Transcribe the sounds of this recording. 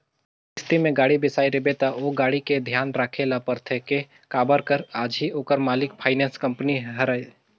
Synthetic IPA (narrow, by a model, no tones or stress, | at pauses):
ɪst̪imẽɡaːɽibɪsaːiɾɪbet̪aoɡaːɽiked̪ʱjaːnɾaːkʰelapəɾt̪ʰeke | kaːbəɾkəɾaːd͡ʒɦioːkəɾmaːlɪkpʰaːɪnɛːnskɐ̃mpniɦɐɾaːe